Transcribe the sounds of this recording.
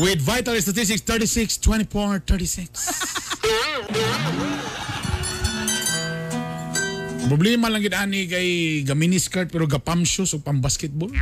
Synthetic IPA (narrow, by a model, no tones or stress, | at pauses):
wɪd̪vajt̪alist̪at̪is̬t̪ɪkst̪ɛɹtisɪkst̪wɛnifɔɹanət̪ʰəɹtisɪks | pɾʊblɛmalaŋɡɪd̪aːnɪkajɡaminɪskaɾt̪̚pɛɾoɡapamsʊsʊɡ̚pambaskɛt̪̚bol